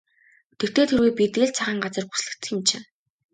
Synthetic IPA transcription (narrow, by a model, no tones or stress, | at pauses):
t̪ʰekt̪ʰeːt̪ʰeɾweːpʲit̪eːɮt͡sʰaʁiːŋɢat͡sə̆rpu̥sɮɘ̆kt͡s̪ɘ̆xɪ̆mt͡ɕʰĕ